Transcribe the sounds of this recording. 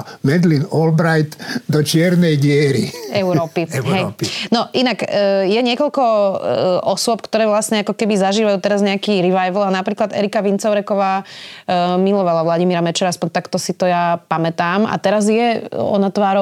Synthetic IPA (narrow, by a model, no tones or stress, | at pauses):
mɛd̪linɔlbɾajt̪d̪ɔt͡ʃɪɛɾnɛjɟɪɛɾiɛuɾɔːpiɦɦɛjnɔʔinakːjɛɲɪɛkɔʎkɔ | ʔɔsʊɔp̚kt̪ɔɾɛːʋlasɲɛakɔkɛbizaʒiːʋajuːt̪ɛɾazɲɛakiːɾiʋajʋl̩anapɾiːklad̪ɛ̰ɾikaʋint͡sɔʊɾɛkɔʋaː | milɔʋalaʋlaɟimiɾamɛt͡ʃɛɾaspɔɲt̪akt̪ɔsit̪ɔjapamɛt̪aːma̰t̪ɛɾazjɛɔ̰nat̪ʋaːɾɔ